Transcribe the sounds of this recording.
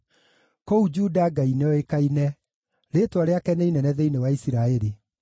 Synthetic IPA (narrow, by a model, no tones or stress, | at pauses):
koud͡ʒuːdaɡaineɔekainɛ | ɾetwaɾeakɛneinɛnɛðeinewaisiɾaɛɾi